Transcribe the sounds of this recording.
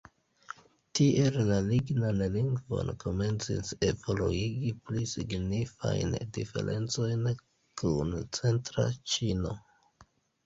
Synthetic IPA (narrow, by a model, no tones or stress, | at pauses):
tiʔe̞llaliɡnanliŋɡvo̞̰nkʰo̞me̞nt͡sḭse̞voluiɡiplisiɡnifa̰jndife̞̰ɾʔe̞̰nt͡so̞jn | kunt͡se̞ntɾa̰t͡ʃino̞